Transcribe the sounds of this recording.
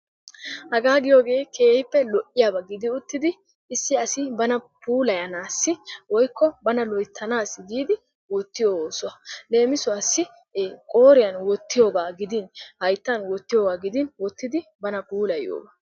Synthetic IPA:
hɐɡaːɡɪjo̞ːɡe̞ːke̞ːhɪpːɛlɔʔɪjaːbɐɡɪd̪ɪʊt̪ːɪd̪ɪ | ɪsːɪɐsɪbɐnɐpuːlɐjɐnaːsːɪwɔjkːɔbɐnɐlɔjt̪ʰːɐnaːsːɪɡ̪iːd̪ɪ | wɔt̪ːɪjoːsʊɐle̞ːmɪsʊasːɪ | kʼo̞ːɾɪjɐnwɔt̪ːɪjo̞ːɡaːɡɪd̪ɪnhɐjt̪ːɐnwɔt̪ːɪjo̞ːɡaːɡɪd̪ɪnwɔt̪ːɪd̪ɪbɐnɐpuːlɐjo̰ːɡaː

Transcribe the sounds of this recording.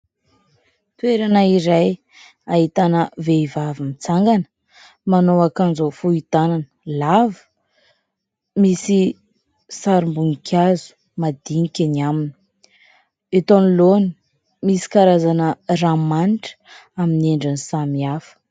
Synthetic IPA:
t̪ueɾanaiɾaj | aɦit̪anəveivavimit͡saŋɡanə̥ | manowakand͡zofuit̪ananəlavə̥ | misi | saɾimbuŋikʲʰazu̥ | mad̪iŋikʲaniamini̥ | et̪oniloni | misi̥kaɾazanəramaniʈ͡ʂə̥amineɳɖ͡ʐanisamiafə̥

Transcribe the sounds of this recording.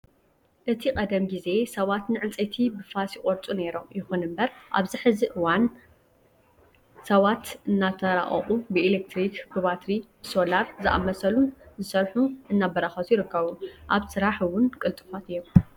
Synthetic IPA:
ʔɨt̪ʰikʼɐd̪ɐmɡize̞sɐβat̪nɨʕɨlt͡sʼet̪ʰibɨfasikʼoɾt͡sʼune̞ɾo̞mjɪxunɨmbɐɾʔa̰βziħɨziʔɨwan | sɐβat̪ɨnːat̪ʰɐɾa̰ʔʼɐ̰χʼubɨelek̚t̪ɾikɡuβat̪ɾibɨso̞laɾzɨʔa̰mːɐsɐlunzɨsɐɾħuʔɨnːabɐɾaxɐt̪ʰujɪɾɨkʰːɐβuʔaβsɨɾaħɨwʊnkʼɨlt̪ʼɨfat̪ɨjːom

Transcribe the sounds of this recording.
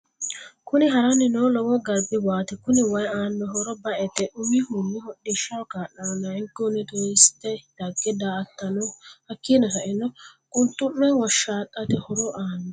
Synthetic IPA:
kʊnɪɦɐɾɐnːɪnɔːlɔwɔɡɐɾbɪwaːt̪ɛkʊnɪwɐjaːnːɔɦɔɾɔbɐʔɛt̪ɛʔʊmihʊnːɪhɔɗːɪʃːɐwkaːʔɐnɔnɐɪŋkːonɪt̪ɔɪst̪ːɛd̪̥ɐɡːɛd̪aːt̪ːɐnɔhɐkːiːnɐhɐʔɪnːɔkʼʊnt̪ːʊnːɛwɔʃaːt̪ʼːɐt̪ɛhɔɾɔʔaːnːɔ

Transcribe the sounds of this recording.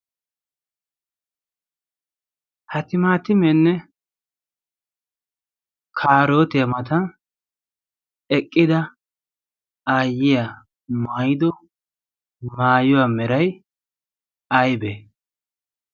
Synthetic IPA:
hɐt̪ɪmaːt̪ɪmɛnːɛ | kʰaːɾo̞ːt̪ɪjɐmɐt̪ɐn | ɛkʼːɪd̪ɐ | aːjɪja | maːjɪd̪ɔ | maːjʊwaːmɛɾɐj | ɐjbe

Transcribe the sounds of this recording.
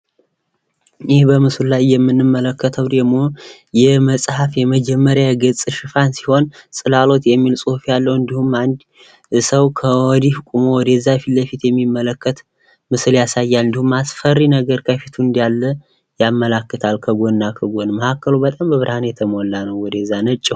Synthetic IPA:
jɪhbəmɨsɨllajːɛmːɨnːɨmːələkːət̪ʰəwd̪əɡmo̞ | jɛməsʼhafjɛməd͡ʒɛmːəɾjaɡɨsʼʃɨfansiho̞nsʼɨlalo̞t̪jɛmːilsʼuhufjalːəwɨnd̪ihumand̪ | səwkʰəwɔd̪ihkʷʼumowɔd̪əzːafiləfit̪jɛmːimːələkːət̪ | mɨsɨljasajːalɨnd̪ihumːasfərːinəɡəɾkʰəfit̪ʰuɨnd̪jalːə | jamːəlakːət̪ʰalkʰəɡo̞nːakʰəɡonməhakːəlubət̪ʼambəβɨɾhanjɛt̪ʰəmolːanəwwɔd̪əzːanət͡ʃʼːɛ

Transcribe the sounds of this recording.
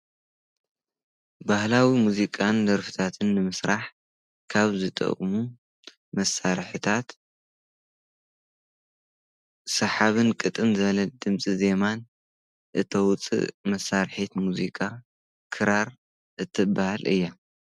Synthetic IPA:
bahlawimuzikʼand̪ɐɾfɨ̥t̪ʰat̪ʰɨnːɨmɨsɾaħ | kʰaβzɨt̪ʼɐ̰kʼmu | mɐsaɾħɨt̪ʰat̪ | sɐħaβɨnkʼɨt̪ʼɨmzɨβɐlɐd̪ɨmt͡sʼize̞man | ʔɨt̪ʰɐwt͡sʼɨ̰ʔmɐsːaɾħit̪muzikʼa | kʰɨɾaɾ | ʔɨt̪ʰːɨbahalɨ̰jːa

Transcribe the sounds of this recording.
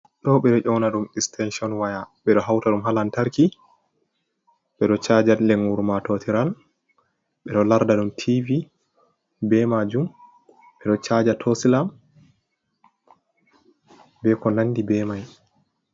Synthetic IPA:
ɗɔɓɛɗɔʔɔwnaɗumɛkstʰɛnʃɔnwajaɓɛɗɔɦawtaɗumɦalantaɾki | ɓɛɗɔt͡ʃad͡ʒalɛŋuɾmatɔtiɾal | ɓɛɗɔlaɾdaɗumtʰivi | bɛmad͡ʒum | ɓɛɗɔt͡ʃad͡ʒatʰosilam | bɛkɔnanːdibɛmaj

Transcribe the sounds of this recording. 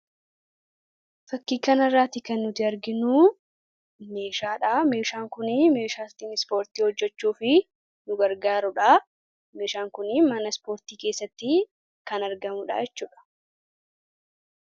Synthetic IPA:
fɐkːiːkɐnɐrːaːt̪ɪkɐnːʊt̪ɪɐɾɡɪnuː | me̞ːʃaːᶑaːmeːʃaːŋkʊnɪme̞ːʃaːst̪inɪspo̞ːɾt̪iːhɔd͡ʒːɛt͡ʃːuːfɪ | nʊɡɐɾɡaːɾʊᶑaː | meːʃaːŋkʊnɪmɐnɐspo̞ːɾt̪iːke̞ːsːɐt̪ːɪ | kɐnɐɾɡɐmʊᶑa̰ːjɛt͡ʃːuːᶑɐ̥

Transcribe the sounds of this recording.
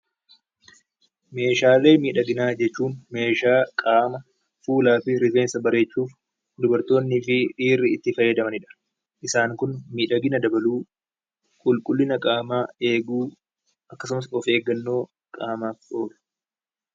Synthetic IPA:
me̞ːʃaːle̞ːmiːᶑɐɡɪnaːd͡ʒɛt͡ʃːuːnme̞ːʃaːkʼaːmɐ | fuːlaːfɪɾɪfeːnsɐbɐɾe̞ːt͡ʃːuːf | d̪ʊbɐɾt̪o̞ːnːɪfɪᶑiːrːɪɪt̪ːɪfɐjːɐd̪ɐmɐnɪᶑɐ̥ | ʔɪsaːŋkʊnmiːᶑɐɡɪnɐd̪ɐbɐluː | kʼʊlkʼʊlːɪnɐkʼaːmaːe̞ːɡuː | ʔɐkːɐsʊmɐsɔfe̞ːɡɐnːo̞ː | kʼaːmaːfo̞ːlʊ̥

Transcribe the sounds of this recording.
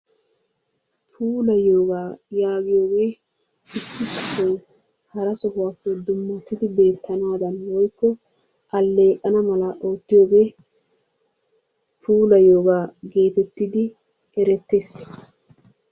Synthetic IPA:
pʰuːlɐjo̞ːɡaːjaːɡɪjo̞ːɡe̞ː | ɪst̪ːɪsɔhɔw | hɐɾɐsɔhʊwaːkːod̪ʊmːɐt̪ːɪd̪ɪbe̞ːt̪ʰːɐnaːd̪ɐnwɔjkːɔ | ʔɐlːe̞ːʔʼɐnɐmɐlɐʔo̞ːt̪ːɪjo̞ːɡe̞ː | pʰuːlɐjoːɡaːɡeːt̪ɛt̪ːɪd̪ɪ | ɛɾɛt̪ːe̞ːs

